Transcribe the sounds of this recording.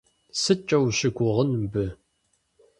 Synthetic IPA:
sɨt͡ʃʼɐwɕɪɡʷʊʁənmbɨ

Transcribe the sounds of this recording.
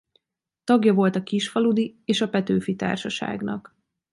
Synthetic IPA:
t̪ɒɡjɒvo̞lt̪ɒkiʃfɒlud̪ieːʃɒpɛt̪øːfit̪a̰ːrʃɒʃa̰ːɡnɒ̰k

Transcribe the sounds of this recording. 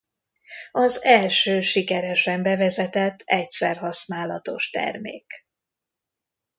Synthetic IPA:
ɒzɛlʃøːʃikɛɾɛʃɛmbɛvɛzɛt̪ɛt̪ːɛcsɛrɦɒsnaːlɒ̰t̪o̞ʃt̪ɛ̰rmḛːk

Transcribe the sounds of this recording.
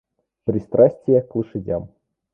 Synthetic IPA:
pɾʲist̪ɾʔasʲtʲɪjɛklˠɨʂɨdʲa̰m

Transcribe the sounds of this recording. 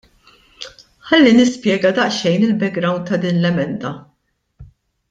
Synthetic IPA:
ħɐlːinɪspjɛːɡɐd̪ɐʔʃɛjnɪlbɛɡɡɾɐwnt̪ːɐd̪iːnlɛmɛnd̪ɐ

